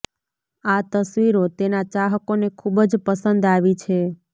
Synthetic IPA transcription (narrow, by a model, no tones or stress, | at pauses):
at̪əsʋiɾot̪enat͡ʃaɦəkonekʰubd͡ʒpəsənd̪aʋit͡ʃʰe